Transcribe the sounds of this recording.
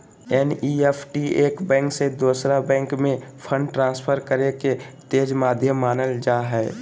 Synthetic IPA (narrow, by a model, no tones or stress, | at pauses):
ɛːniːɛpʰʈieːkbɛ̃ːŋksed̪oːsɾabɛ̃ːŋkmẽpʰə̃ɳɖʈɾãːspʰəɾkəɾeket̪eːd͡ʒmaːd̪ʱjəmaːnəld͡ʒaːɦɛː